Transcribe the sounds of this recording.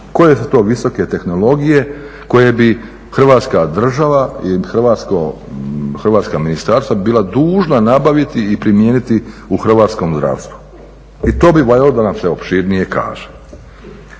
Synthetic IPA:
ko̞jesut̪o̞ːʋiso̞ke̞t̪e̞xno̞lˠo̞ɡije̞ | ko̞je̞bi | xr̩ʋaːt̪skad̪r̩ʒaʋaixr̩ʋaːt̪sko | xr̩ʋaːt̪skaminist̪aɾst̪ʋabiːlˠad̪uːʒnanabaʋit̪iːpɾimje̞ːnit̪iuxr̩ʋaːt̪sko̞mzd̪ɾa̰ːʋst̪ʋu̥ | it̪o̞ːbiʋojalod̪anamseo̞pʃiɾnije̞ka̰ːʒe̥

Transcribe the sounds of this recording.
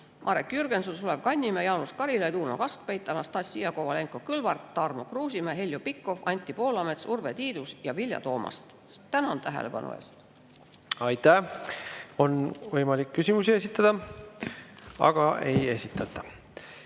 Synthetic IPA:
mʔɑɾekːjyrɡ̥e̞nsulsulevkɑnʲːimejɑːnuskɑɾilet̪uːno̞̰kɑskpejt̪ːˑɑmɑst̪ɑsʲːiɑko̞vɑle̞ŋkokɯlvɑrt̪ːɑrmo̞kruːsimeɦelʲjopikːˑo̞fɑnʲt̪ːˑipo̞ːlɑme̞t̪survet̪iːd̪̥usjɑvilʲjɑ̰t̪o̞ːmɑ̰st̪ | t̪ænɑnt̪æɦḛlepɑ̰nʔṵḛːst̪ | ɑjt̪æ | o̞nvɤjmɑlikːysʲimusie̞s̬ʲit̪ːˑɑd̪̥ɑ | ɑ̰ɡ̥ɑe̞je̞sʲit̪ːˑɑt̪ːˑɑ

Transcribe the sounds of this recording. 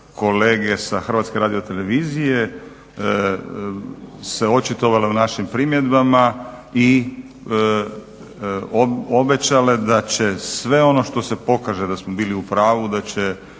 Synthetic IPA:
ko̞leːɡe̞saxr̩ʋat̪ske̞ɾaːd̪iot̪e̞le̞ʋiːzije | se̞o̞t͡ʃit̪oʋaleunaʃimpɾimje̞d̪bamai | obe̞t͡ɕale̞d̪at͡ɕe̞sʋe̞o̞no̞ʃt̪o̞se̞po̞kaʒed̪asmobiːliupɾaːʋud̪at͡ɕe

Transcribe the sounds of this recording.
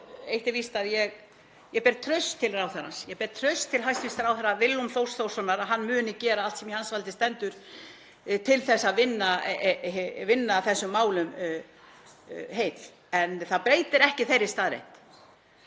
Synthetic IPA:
ejht̪ɪvist̪aðjɛɣ | jɛpɛɾt̪ʰɾœɥst̪ʰːɪlraːwθɛɾa̰nsjɛpɛɾt̪ʰɾœɥst̪ʰːɪlɦajst̪vist̪ɾawθɛɾavɪlːʏmθowsθowsɔnːaɾaɦanːmʏːnɪcɛːɾaalt̪sɛmiansvalt̪ɪst̪ɛnt̪ʏɾ̥ | t̪ʰɪlθɛsːaðvɪnːa | vɪnːaθɛsːʏmːaːwlʏm | ɦeːjt̪ | ɛnθaðpɾeːjt̪ɪɾɛhcɪθejɾɪst̪aːðɾḛht̪

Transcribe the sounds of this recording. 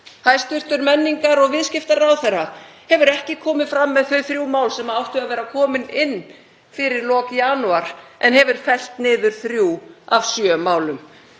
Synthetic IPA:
hajst̪ʏr̥t̪ʏɾmɛnːiŋkaɾɔɣvɪðscɪft̪aɾawθɛra | hɛvʏɾɛhcɪkʰɔːmɪðfɾamːɛðθœɥθɾjuːwmaːwlsɛmaawht̪ʏavɛːɾakʰɔːmɪnɪnː | fɪɾɪɾlɔːkjaːnuaɾ̥ʔɛ̰nɦɛvʏɾ̥fɛl̥t̪nɪːðʏɾ̥θɾjuːavsjœmaːwlʏm

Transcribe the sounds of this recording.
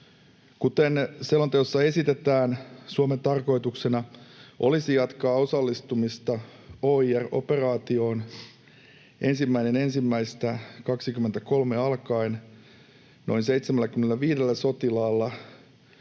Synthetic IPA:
kut̪enselont̪eosːɑe̞sit̪et̪æːnsuoment̪ɑrko̞it̪uksenɑʔo̞̰lisijɑt̪kɑːo̞sɑlːist̪umist̪ɑoːiæro̰pe̞rɑːt̪io̞ːn | ʔe̞nsimːæinenensimːæist̪ækɑksikyment̪æko̞lmeɑlkɑin | no̞̰inseit̪semælːæk̟ymenelːæʋiːdelːæso̞t̪ilɑːlːɑ

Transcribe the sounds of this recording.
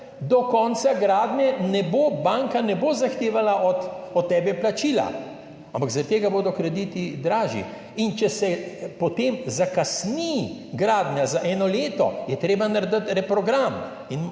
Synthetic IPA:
d̪ɔkɔnsaɡɾaːd̪ɲɛnɛbobaŋkanɛbozaxt̪eːʋalaʔɔt̪ɔt̪ːɛːbɛplat͡ʃiːla̰ | ãmpaɡzaɾət̪ːeːɡaboːd̪ɔkɾɛd̪it̪id̪ɾaːʒḭ | int͡ʃɛsɛpɔt̪emzakasniɡɾaːd̪ɲʲazaʔɛːnɔleːt̪ɔ̰jɛt̪ɾeːbanaɾd̪ət̪ɾɛpɾɔɡɾam | in

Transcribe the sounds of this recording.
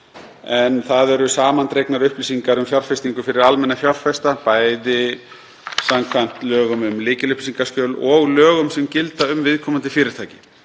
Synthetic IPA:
ɛnθaðɛɾʏsaːmant̪ɾejknaɾʏhpliːsiŋkaɾʏmfjaɾ̥fɛst̪iŋkʏfɪɾɪɾalmɛnːafjɔr̥fɛst̪apaːjðɪ | samkʰvan̥t̪lœːɣʏmʏmlɪːcɪlʏhpsiŋkaskœːwlɔɣlœːɣʏmsɛmcɪlt̪aʏmvɪðkʰɔmant̪ɪfɪːɾɪɾt̪ʰaːjcɪ̥

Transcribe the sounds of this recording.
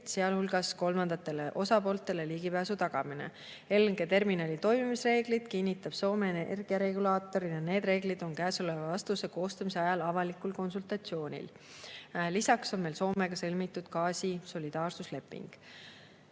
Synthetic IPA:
se̞ɑlhulɡ̥ɑsko̞lmɑnd̪̥ɑt̪ːˑe̞le̞ʔo̞sɑpo̞ːlt̪ːˑe̞le̞liːɡ̥ipæːsut̪ɑɡ̥ɑ̰minḛ | e̞lŋɡe̞t̪e̞rminɑlʲit̪o̞jmimisre̞ːɡ̥lid̪̥kinʲːit̪ːˑɑb̥so̞ːmenrɡ̥iɑɾe̞ɡulɑːt̪ːˑo̞ɾinɑne̞ːd̪re̞ːɡ̥lid̪̥o̞nkæːsolevɑɑst̪useko̞ːst̪ɑmise̞ɑjɑlɑvɑlikulko̞nsult̪ˑɑt̪sio̞ːnʲḭl | lisɑkso̞nme̞lso̞ːme̞ɡ̥ɑsɤlmit̪ːˑud̪̥kɑːsʲiso̞lʲid̪̥ɑːrsusle̞pːˑḭŋɡ̥

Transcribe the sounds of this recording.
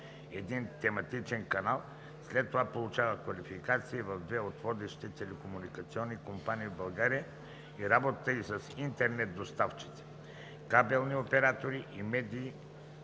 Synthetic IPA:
ɛd̪int̪ɛmɐt̪it͡ʃɛnkɐnalˠ | slɛt̪ːovapolˠut͡ʃavəkvɐlifikat̪siːvɐvd̪vɛot̪vɔd̪ɛʃi̥t̪ɛt̪ɛlɛkomunikɐt̪siɔnːikompaniːvbɐlˠɡaɾiə | iɾabot̪ət̪əisəsint̪ɛɾnɛt̪̚d̪ost̪aft͡ʃi̥t̪ɛ̥ | kabɛlˠniopɛɾat̪oɾiʔimɛd̪iː

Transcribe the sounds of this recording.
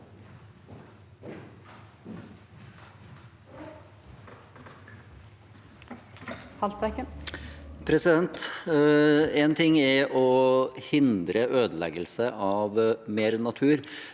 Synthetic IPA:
hɑlt̪ʋɛkə | pʰɾɛsɪd̪ɛnt̪ | ɛːnt̪ʰɪŋːɛɾʔɔhɪnd̪ɾəʔøːd̪əlɛ̰ɡəlsəʔɑʋmeːɾnɑt̪ʰʉːɾ

